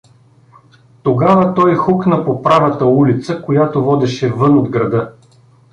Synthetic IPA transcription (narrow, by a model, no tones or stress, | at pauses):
t̪oɡavət̪ɔjxuknəpopɾavɐt̪əulit̪səkojat̪ovɔd̪ɛʃɛvɤnod̪ɡɾɐd̪ɤ